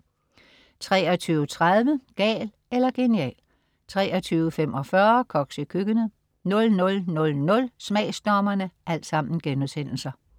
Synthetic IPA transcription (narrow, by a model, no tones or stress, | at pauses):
t͡sʰʁɛːɒ̽t͡sʰyːʊət͡sʰʁað̞ˠʋəɡ̥ɛ̰ːl | elɐɡ̥e̝niɛ̰ːl | t͡sʰʁɛ̰ːɒ̽t͡sʰyːʊəfem̰ʔɒ̽fɶɐkʰɒ̽ɡ̥sikʰyɡ̥ənə | nɔ̽lnɔ̽lnɔ̽lnɔ̽lsmɛɪsd̥ɒːmɐnəʔæl̰d̥sɑ̈m̰n̩ɡ̥enuðˠsen̰l̩sɐ